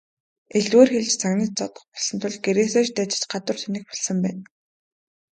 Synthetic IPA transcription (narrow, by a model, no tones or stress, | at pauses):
eɮweːrxeɮt͡ɕt͡sʰaɣnĭt̪̚t͡sɔt̪ɞ̆χpɔɮsɞ̆nt̪ʰʊɮɡeɾeːseːʃt̪æːt͡ɕɪ̥̆t͡ɕɢat̪wə̆rt̪ʰunĭk̚pɔɮsə̆mpæ̰ːn